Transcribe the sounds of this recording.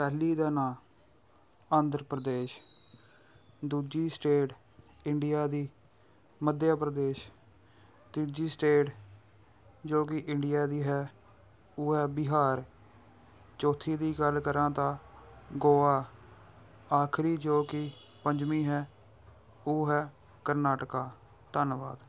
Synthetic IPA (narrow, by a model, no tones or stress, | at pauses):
pɛːliːd̪aːnaː | aːnd̪əɾpɾəd̪eːʃ | d̪uːd͡ʒiːsʈeːʈ | ɪɳɖɪjaːd̪iː | məd̪jaːpɾəd̪eːʃ | t̪iːd͡ʒiːsʈeːʈ | d͡ʒoːkɪʔɪɳɖɪjaːd̪iːɦɛː | oːɦɛːbɪɦaːɾ | t͡ʃoːt̪ʰːiːd̪iːɡəlkəɾãːt̪ãːɡoːaː | aːkʰɾiːd͡ʒoːkɪ | pəɲd͡ʒmiːɦɛː | oːɦɛː | kəɾnaːʈkaː | t̪ənʋa̰ːd̪